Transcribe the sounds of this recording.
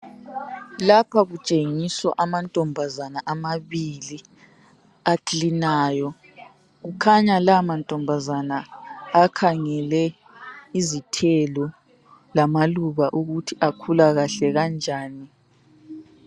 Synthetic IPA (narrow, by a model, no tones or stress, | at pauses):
lapʰaɣut͡ʃʼeŋiswa̰ʔamantʼɔmbʱazanaʔamaβili | aklinaːjɔ | ɣukʰaɲalamantʼɔmbʱazanaː | kʰaŋɛlɛ | izitʰɛlɔ | lamaluβaʔuɣutʰiʔakʰulaɣaɬɛɣand͡ʒʱaːni